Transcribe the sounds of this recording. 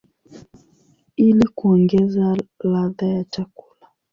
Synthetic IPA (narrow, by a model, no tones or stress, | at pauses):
ilikuɔŋɡɛzalaðajat͡ʃaku̥la